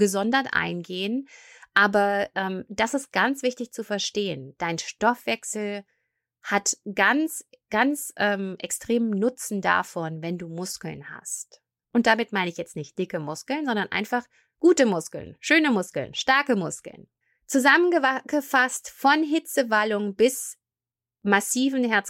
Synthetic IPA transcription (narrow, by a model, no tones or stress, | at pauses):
ɡ̥əzɔndɐtʔa̰ɪnɡeːənʔaːbɐʔɛːmd̥asɪst̚ɡ̥ant͡sv̥ɪçtɪçt͡sufɛɐʃteːənd̥aɪnʃtɔfv̥ɛksl̩ | hatɡ̥ant͡sɡ̥ant͡sʔɛːmʔɛ̰kstʁ̥eːmnʊt͡sn̩da̰fɔnvɛnduːmʊskl̩nha̰st | ʔʊntd̥amɪtmaɪnəɪçjɛt͡stnɪçt̚d̥ɪkəmʊskl̩nzɔndɐnʔa̰ɪnfaχ | ɡ̥uːtəmʊskl̩̰nʃøːnəmʊskl̩̰nʃtaɐkəmʊskl̩̰n | t͡suzamənɡəɡəfastfɔnɦɪt͡səvalʊŋbɪs | masiːvn̩ɦɛɐt͡s